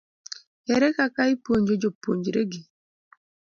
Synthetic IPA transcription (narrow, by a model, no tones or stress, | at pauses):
ɛɾɛkakaipoɲd͡ʒod͡ʒopo̰ɲd͡ʒɾeɡi